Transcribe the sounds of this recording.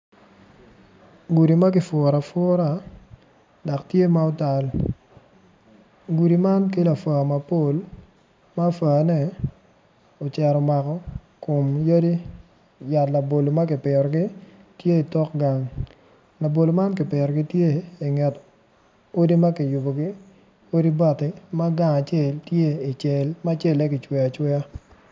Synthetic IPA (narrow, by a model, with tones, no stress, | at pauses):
ɡu˨ɾi˨ma˦kɪ˨fʊ˨ɾa˨fɔː˦ɾa˦ | da˨ktje˦ma˦o˦ta˨l | ɡu˨ɾi˨ma˦nk̬ɪ˦la˨fwa˨ma˨po˦˨l | ma˦fa˨nɛ˦ | o˨t͡ʃɛ˨ɾɔ˨ma˨kɔ˦ | ko˨mjo˦di˦ | ja˨tla˨bo˨lo˨ma˦k̬ɪ˨pɪ˨ɾɔ˨ɡɪ˦ | tje˦i˨tɔ˦kɡa˨ŋ | la˨bo˨lo˨ma˦nkɪ˨pɪ˨ɾɔ˨ɡɪ˦tje˦ɪ˨ŋɛ˨t | o˦di˦ma˦kɪ˨jʊ˨bo˨ɡɪ˦ | o˦di˦ba˦˨tɪ˦ma˦ɡa˨ŋa˨t͡ʃe˦˨ltje˦ɪ˨t͡ʃɛ˨lma˦t͡ʃe˦˨lɛ˦kɪ˨t͡ʃwɛ˨a˨t͡ʃwɛ˦a˦